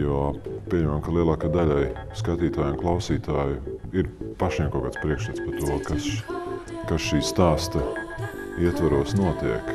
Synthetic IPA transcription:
jupʲiɛɲɛmamkalˠiɛlˠaːkajd̪aʎʲajskat̪iːt̪aːjʊnklˠawsiːt̪aːjuiɾpaʃnʲɛmkɔːkaːt̪spɾiɛkʃlɛt̪spaɾt̪uɔkas | kasʃiːst̪aːst̪ɐ | iɛt̪vaɾuɔsnuɔt̪iɛk

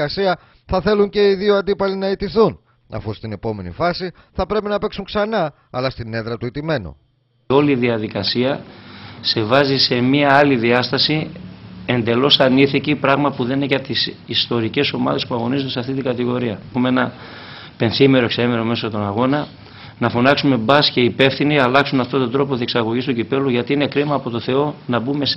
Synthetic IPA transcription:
ɐsiɐ | θɐθe̞luɲce̞iðioɐnd̪ipɐlinɐet̪iθun | ɐ̰fust̪ine̞po̞me̞nḭfɐsi | θɐpɾe̞pinɐpe̞ksuŋksɐnɐː | lɐst̪ine̞ðɾɐt̪uit̪ime̞nṵ | o̞liðiɐðikɐsiɐ | se̞vɐzise̞miɐɐliðiɐst̪ɐsi | e̞nd̪e̞lo̞sɐniθicipɾɐɣmɐpuðeninecɐt̪isist̪o̞ɾice̞so̞mɐ̰ðe̞spuɐɣo̞nizund̪esɐft̪it̪iɡɐt̪iɣo̞ɾiɐumeenɐ | pe̞nθimeɾoeksɐimeɾo̞me̞sot̪o̞nɐɣo̞nɐ | nɐfonɐksume̞bɐsce̞ipe̞fθiniɐlɐksunɐft̪o̞t̪o̞nd̪ɾo̞p̬o̞t̪ieksɐɣo̞ʝist̪ucipe̞luʝɐt̪iine̞kɾimɐːpo̞t̪o̞θe̞o̞nɐbume̞s

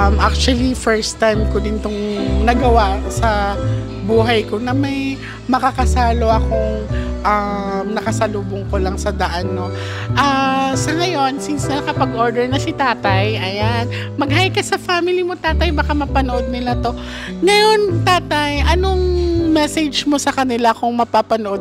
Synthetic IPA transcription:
mʔak̚t͡ʃwɐlifɛɹst̪ajmkod̪ɪnt̪oŋnɐɡɐwasɐ | buːɦɐjko̞nɐmɐj | mɐkakɐsaːlo̞ʔɐko̞ŋʔɐmnɐkɐsɐluːboŋkolɐŋsɐd̪ɐʔanːo̞ | ʔasɐŋɐjo̞nsinsnɐnɐkɐpɐɡʔo̞ɹd̪ɛɹnɐsit̪aːt̪ɐjʔɐjan | mɐɡɦajkɐsɐfamɪlimot̪aːt̪ɐjbɐkamɐpɐnoʔo̞d̪̚nɪlat̪o̞ | ŋɐjo̞nt̪aːt̪ɐjʔɐno̞ŋmɛsɛd͡ʒmo̞sɐkɐnɪlakʊŋmɐpapɐnoʔod̪̚

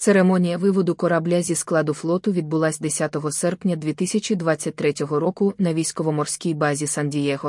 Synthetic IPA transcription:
t̪seɾemɔnʲijɐʋɪʋɔd̪ʊkɔɾɐblʲazʲisklˠɑd̪ʊflˠɔt̪ʊʋʲid̪̚bʊlˠasʲd̪esʲat̪ɔɦɔsɛrpnʲɐd̪ʲʋʲit̪isʲɐt͡ʃʲid̪ʋat͡sʲːɐt̚ʲt̪ɾɛtʲɔɦɔɾɔkʊnɐʋʲijsʲkɔʋɔmɔrsʲkʲijbɑzʲisɐnʲdʲijɛɦɔ

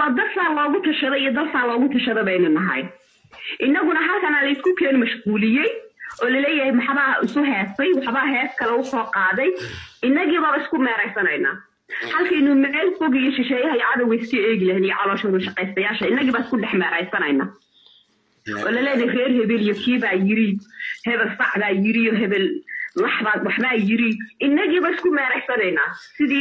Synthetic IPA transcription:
wɑːd̪ɐfʰaːlɔːɣʊt̪ʰɐʃɐðɛijɔd̪ɐlfʰaːlɔːɣʊt̪ʰɐʃɐðɛβɛɪnʊnɐɦɐ̰j | ʔɪnːɐɣʊnɐɦaːt̪ʰɐnalɐjskʰʊkʰɛːnmɐʃquːlɪjɛjʔɔːlɐlɛːjɐhɛjmɑħβɐɪsʊɦɛːsɛjwɑħbɐɦɛːskʰɐlɛwʊsɔːqɑːðɛjɪnːɐɣiːβaːβɐɪskʰʊmɛːɾɛjsɐnɛjna̰ː | hɐlkʰɐɪnʊːmɛɛlfɔɣɪjɔʃɪʃɛːjɐɦɐjɐʕɑðɐwɛjskɐeːɣɪlɐɦɛnijɔʕɑlɔːʃɐwʊʃɑqɛjst̪ɐjaːʃɐɪnːɐɣiːβaːɪskʰʊɖɛħmɛːɾɛjsɐnɛjnaː | ʔɔ̰ːlɐlɛːjɐrɛːrɦɛβɛlijɔkʰiːβaːjɪɾihɛβɛlsɑʕbaːjɪɾɪjɔɦɛβɛlwɑħβaːwɑħbaːjɪɾiʔɪnːɐɣiːβaːɪskʰʊmɛːɾɛjsɐnɛjnaːsɪðiː

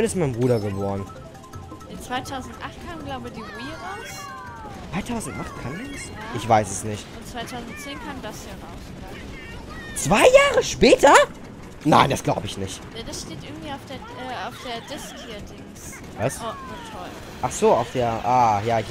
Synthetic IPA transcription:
ɪnɪstmaɪnbʁuːɾɐɡəbɔːʁən | d̥ɛt͡sv̥aɪtʰaʊzn̩tʔaχtkʰaːmɡlaʊbədiːʁuiːʁaʊs | t͡sv̥aɪtʰaʊzn̩tʔaχtkʰandas | ʔɪçv̥aɪsɛsnɪçtʊntt͡sv̥aɪtʰaʊzn̩tt͡seːnkʰaːmdashiːʁaʊsa | t͡sv̥aɪjaːʁəʃpɛːtʰɐ | na̰ɪnd̥asɡ̥laʊbəɪçnɪçtjaːdasʃteːtʔɪɐɡŋ̩tv̥iːaʊfd̥eːɐ | ɛːaʊfd̥eːɐdɪskhiːɐdɪŋs | vaɪsonatʰɔl | ʔaχz̥oːaʊfd̥eːɐʔaːjaːɪç

